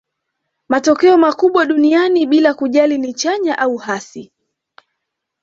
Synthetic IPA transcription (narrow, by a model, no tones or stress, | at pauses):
matɔkɛɔmakuɓwaɗunianiɓilakuʄalinit͡ʃaɲaʔauhasi